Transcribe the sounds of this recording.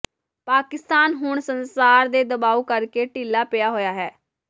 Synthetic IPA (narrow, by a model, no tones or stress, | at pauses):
paːkɪst̪aːnɦʊɳsənsaːɾd̪eːd̪əbaːuːkəɾkeːʈiːlaːpɪjaːɦoːjaːɦɛː